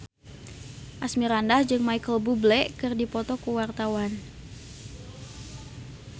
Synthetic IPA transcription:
ʔasmiɾandahd͡ʒɨŋmajkəlbublɛʔkɨrdipɔt̪ɔkuwart̪awan

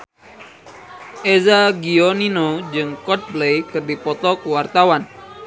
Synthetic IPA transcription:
ʔezaɡioninod͡ʒɨŋkɔt̪̚blejkɨrdipɔt̪ɔkuwart̪awan

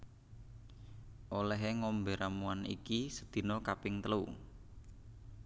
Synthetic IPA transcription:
ʔolɛɦeŋɔmbe̤ɾamuanḭkisə̥d̪̥i̤nɔkapɪŋt̪əlu

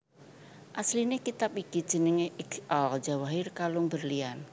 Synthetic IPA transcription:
ʔaslinekit̪apikid̥ʒ̥ə̤nɪŋeʔɪɡʔɔld͡ʒa̤waɦɪrkalʊŋbərlian

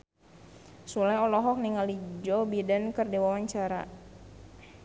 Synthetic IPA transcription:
sulajɔlɔɦɔk̚niŋalid͡ʒɔbidankərdewawaɲt͡ʃaɾa

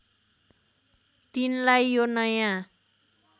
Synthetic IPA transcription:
t̪inlajːonʌjã

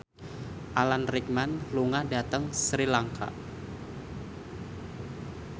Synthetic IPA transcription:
ʔalanrik̚manluŋadat̪əŋsɾilaŋkʰa̰

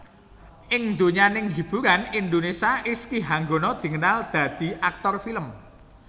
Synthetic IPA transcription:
ʔɪŋnd̪o̤ɲanɪŋɦib̥uɾanind̪onesiaʔɪskiɦaŋɡonɔd̪̥i̤ŋənald̪̥ä̤d̪̥i̤ʔak̚t̪ɔrfiləm

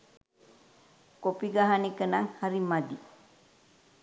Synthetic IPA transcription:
kopiɡaɦanikənaŋhaɾimad̪i

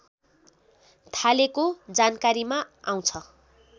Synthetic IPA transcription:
t̪ʰalekod͡zankaɾimaaw̃t͡sʰʌ

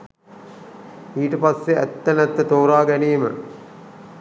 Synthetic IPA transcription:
iːʈəpasːeæ̰t̪ːənæt̪ːət̪oːɾaːɡæniːmə̰

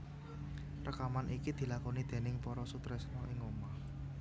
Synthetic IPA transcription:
rəkamanʔikid̪̥i̤lakonid̪̥e̤nɪŋpɔɾɔsut̪ɾɛsnɔʔɪŋoma

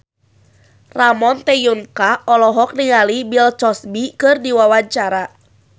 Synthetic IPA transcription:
ramɔnt̪ɛjunkaɔlɔɦɔk̚niŋalibilt͡ʃɔsbikɨrdiwawaɲt͡ʃaɾa

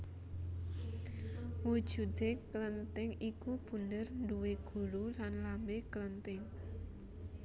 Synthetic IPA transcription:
wud̥ʒ̥ṳd̪ekələnt̪ɪŋikub̥undərnduweɡ̥ṳɾulanlambekələnt̪ɪŋ

